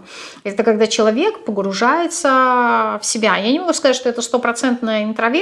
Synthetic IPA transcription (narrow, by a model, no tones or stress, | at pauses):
ɛt̪əkɐɡd̪at͡ɕɪlˠɐvʲe̞kpəɡɾʊʐajɪt̪səfsʲɪbʲajanʲɪmɐɡuskɐzatʲʂt̪oɛt̪əst̪o̞pɾɐt̪sɛnt̪nəjəɪnt̪ɾɐvʲe